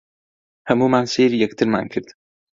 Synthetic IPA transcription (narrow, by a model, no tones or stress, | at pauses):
hɐmuːmaːnseːɾijɛkt̪ʰɨɾma̰ːnkʰɨɾd̪